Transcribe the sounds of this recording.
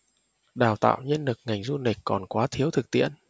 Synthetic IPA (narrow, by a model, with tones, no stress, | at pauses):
ɗaː˨˩wt̪a̰ː˧˨wɲə˧nlɨ˨˩k̚ŋa˨˩jŋ̟zu˧ni˨˩kkɔ˨˩nkwaː˨˦t̪ʰi˨˦əwt̪ʰɨ˨˩k̚t̪ḭ˧˨ən